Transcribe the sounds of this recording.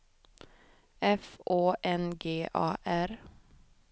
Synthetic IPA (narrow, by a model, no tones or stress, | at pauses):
ɛfoːʔɛnɡeːʔɑ̰ːʔæɾ